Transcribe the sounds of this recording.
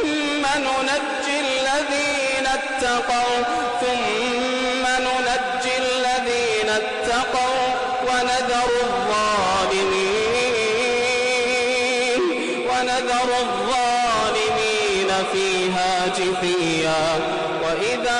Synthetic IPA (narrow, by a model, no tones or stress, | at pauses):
anʊnad͡ʒːɪlːaðiː | nat̪ːɑqɑw | θʊmː | anʊnad͡ʒːɪlːaðiːnat̪ːɑqɑw | wanaðɑɾˤ | ðˤːɑː | lɪmiː | n | wanaðɑɾˤ | ðˤːɑː | lɪmiː | nafiːɦaːd͡ʒɪfi | jaː | waʔɪða